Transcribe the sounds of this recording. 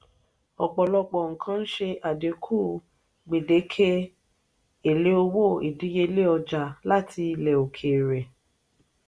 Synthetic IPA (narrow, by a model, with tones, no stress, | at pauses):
ɔ˨k͡pɔ˨lɔ˧k͡pɔ˨ŋ̩˨kʰã˦n̩˦ʃe˧ʔa˨de˨˦kʰuː˦˨ | ɡ͡be˨de˨˦kʰe˦ | e˨le˨˦o˧wo˦˨i˨dĩ˨˦je˧le˦ɔ˧d͡ʒa˨la˦tʰi˧˦lɛ˨o˨kʰe˨ɾe˨